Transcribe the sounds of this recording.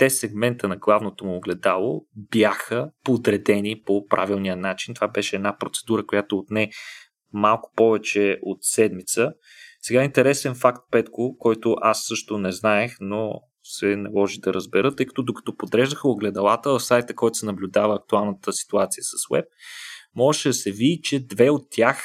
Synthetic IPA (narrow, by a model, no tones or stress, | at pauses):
t̪ɛsɛɡmɛnt̪ənɐɡlˠavnot̪omʊːɡlɛd̪alˠobjaxəpod̪ɾɛd̪ɛnipopɾʔa̰vilˠnijənat͡ʃint̪ovabɛʃɛɛːd̪napɾot̪sɛ̥d̪uɾəkojat̪oːt̪nɛ | malˠkʊ̥pɔvɛt͡ʃɛot̪sɛd̪mit̪sə | sɛɡaint̪ɛɾɛsɛnfakt̪̚pɛt̪kʊkɔjt̪ʊʔasːɤʃt̪ʊnɛznaɛxno | sɛnɐlˠɔʒid̪ɐɾəzbɛɾɤt̪ːɤjkɐ̥t̪ɔd̪okɐ̥t̪ɔpod̪ɾɛʒd̪əxəoɡlɛd̪ɐlˠat̪əvəfsajt̪əkɔjt̪ʊ̥sɛnɐblʲʊd̪avəːk̚t̪ualˠnət̪əsi̥t̪uat̪sijəsəswɛ̰p̚mɔʒɛʃɛd̪ɐsɛvid̪it͡ʃɛd̪vɛot̪ʲːjax